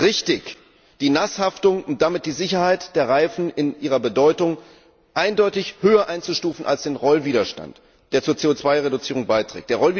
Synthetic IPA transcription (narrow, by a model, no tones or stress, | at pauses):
ʁɪçtɪç | d̥iːnashaftʊŋʊnt̚d̥amɪt̚d̥iːzɪçɐhaɪtd̥eːɐʁaɪfn̩ɪnʔiːʁɐbədɔʏtʊŋ | ʔaɪndɔʏtɪçhøːɐʔaɪnt͡suʃtuːfn̩ʔa̰lsd̥eːnʁɔlviːdɐʃta̰nt | d̥eːɐt͡suːɐt͡seːot͡sv̥aɪʁedʊt͡siːʁ̞ʊŋbaɪtʁ̥ɛ̰k̚td̥eːɐʁɔli